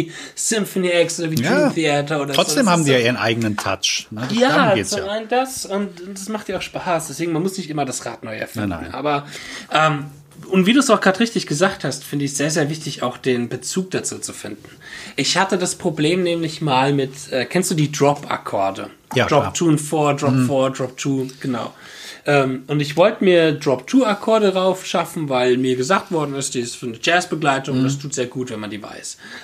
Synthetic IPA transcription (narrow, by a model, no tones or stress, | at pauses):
sɪmfɔniːʔɛksʔoːdɐviːaθiaːtɐoːdɐʁɔzt͡sod̥eːmhaːm̩diːjaːʔiːʁənʔa̰ɪɡənəntʰa̰t͡ʃnəjaːzoːaɪndasʊntʊd̥asmaχtd̥iːɐaʊxʃpaːsd̥ɛsveːɡŋ̩manmʊsnɪçtʔɪmɐdasʁa̰ːtnɔʏɛ̰ɐfɪ̰n̩ʔa̰ːbɐʔɛːm | ʔʊntv̥iːduːsaʊxɡ̥ʁaːtʁɪçtɪçɡ̥əzaːk̚thastfɪndəɪçz̥eːɐzeːɐvɪçtɪçaʊxd̥eːnbət͡suːk̚d̥at͡suːt͡sufɪ̰ndn̩ʔɪçhatədaspʁ̥obleːmnɛːmlɪçmaːlmɪtʔɛːkʰɛnstd̥uːdiːdʁɔpa̰kʰɔɐdə̰̥ | ʁɔptʰuːnfɔːɐdʁɔpfɔɐdʁɔp̚tʰuːɡ̥ənaʊ | ʔɛːmʔʊntɪçv̥ɔltəmiːɐdʁɔp̚tʰuːakʰɔɐɾəʁaʊfʃafn̩vaɪlmiːɐɡəzaːk̚tv̥ɔɐdn̩ɪstd̥iːɪstfyːɐnəd͡ʒɛːsb̥əɡlaɪtʊŋʊnd̥astʰuːtz̥eːɐɡuːtv̥ɛnmandiːva̰ɪs